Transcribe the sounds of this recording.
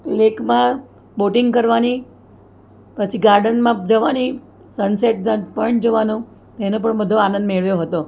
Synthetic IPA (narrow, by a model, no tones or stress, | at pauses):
lekʰmã | boʈɪŋɡkəɾʋani | pət͡ʃʰiɡaɾɖənmãd͡ʒəʋani | sənseʈ̚d͡ʒapəɳd͡ʒoʋanũ | t̪enõpəɳbəd̪ʱoanə̃nd̪meɭʋjoɦət̪o